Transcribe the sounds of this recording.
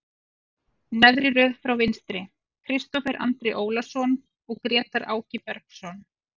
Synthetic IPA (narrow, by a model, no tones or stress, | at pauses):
nɛðɾɪɾœːðfɾawvɪnst̪ɾɪ | kʰɾɪst̪ɔfɛɾʔa̰nt̪ɾɪʔoːwlasɔn | ɔɣkɾɛːt̪aɾʔa̰ːwcɪpɛɾksɔn